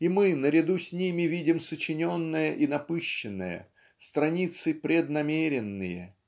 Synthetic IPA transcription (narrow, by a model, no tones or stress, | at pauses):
imɨnəɾʲɪd̪usʲnʲimʲɪvʲidʲɪmsət͡ɕɪnʲonːəjəʔinɐpɨɕːɪnːə̰jə̰ | st̪ɾɐnʲit̪sɨpɾʲɪd̪nɐmʲeɾʲɪnːɨjə̰